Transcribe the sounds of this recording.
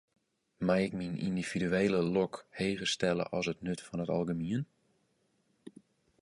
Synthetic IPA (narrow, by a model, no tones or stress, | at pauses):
majɪkminḭndiv̥idyeːləlɔkheːɣəstɛlˠə̰ʔɔsətnøtfɔnɦətɑ̰lˠɡəmiən